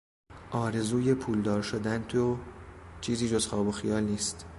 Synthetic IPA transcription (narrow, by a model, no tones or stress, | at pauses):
ʔɒːɾe̞zuːjepʰuːld̪ɒːɾʃod̪ænt̪ʰot͡ʃʰiːziːd͡ʒo̞zxɒːboxijɒːlniːst̪